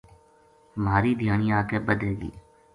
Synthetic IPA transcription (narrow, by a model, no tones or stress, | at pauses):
maːɾiːd̪ʱjaːɳ̃iːaːkeːbəd̪eːɡḭː